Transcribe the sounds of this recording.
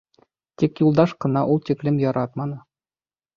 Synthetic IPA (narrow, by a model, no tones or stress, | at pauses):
t̪ikjulˠd̪ɑʃqɤ̆nɑʔulˠt̪iklɘmjɒɾɑt̪mɑnɤ